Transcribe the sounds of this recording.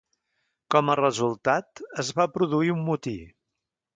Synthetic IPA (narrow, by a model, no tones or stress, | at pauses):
kɔmərəzulˠt̪at̪əzβapɾuðuiumːut̪i